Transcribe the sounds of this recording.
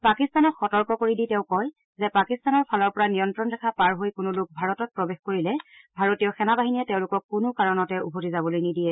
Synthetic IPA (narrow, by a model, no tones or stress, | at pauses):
pakistanɔtxɔtɔɹkɔkoɹiditɛʊ̃kɔj | zɛpakistanɔɹpʰalɔɹpɔɹanijɔntɹɔndɛkʰapaɹɦojkʊnʊlʊk̚bʱaɹɔtɔt̚pɹɔbexkoɹilɛbʱaɹotijɔxɛnabaɦiniɛtɛʊ̃lʊkɔkːʊnʊkaɹɔnɔtɛubʱotizabɔlojnidijɛ